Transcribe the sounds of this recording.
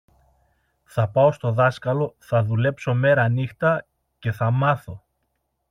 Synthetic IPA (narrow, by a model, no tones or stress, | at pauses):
θɐpɐo̞st̪o̞ðɐskɐlo̞θɐðule̞pso̞me̞ɾɐnixt̪ɐ | ce̞θɐmɐθo̞